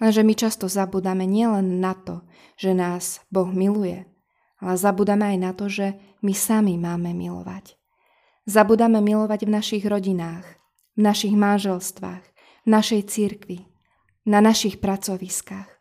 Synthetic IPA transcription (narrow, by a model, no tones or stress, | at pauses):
lɛnʒɛmit͡ʃast̪ɔzabuːd̪amɛɲɪɛlɛnːat̪ɔ | ʒ̥ɛnaːzbɔɣmilujɛ̰ | alɛzabuːd̪amɛajnat̪ɔʒɛ | misamimaːmɛmḭlɔ̰ʋa̰c | zabuːd̪amɛmilɔʋaɟvnaʃiɣɾɔɟinaːx | vnaʃiɣmanʒɛlst̪ʋa̰ːx | vnaʃɛjt͡siɾkʋi | nanaʃixpɾat͡sɔʋiskax